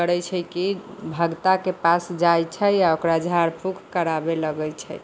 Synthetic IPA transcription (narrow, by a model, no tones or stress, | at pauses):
əɾɛt͡ʃʰəkibʱəɡt̪akepasd͡ʒajt͡ʃʰəjaokɾad͡ʒʱaɾpʰukʰkəɾabeləɡəjt͡ʃʰə